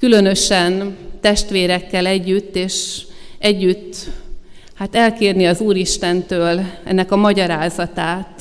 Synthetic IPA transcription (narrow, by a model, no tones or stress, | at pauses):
kylø̞nø̞ʃɛnt̪ɛʃt̪ʋeːɾɛkːɛlɛɟːyt̪ːeːʃɛɟːyt̪ː | hat̪ɛlkeːrniɒzuːɾiʃt̪ɛnt̪øːlɛ̰nːɛkɒmɒɟɒɾaːzɒt̪aːt̪